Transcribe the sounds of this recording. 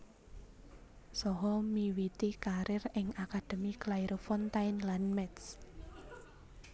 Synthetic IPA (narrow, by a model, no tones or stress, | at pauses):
sɔɦɔmiwit̪ikaɾʔɪrɪŋakad̪̥ə̤miklajɾʔofɔnt̪aɪnlanmɛt̪s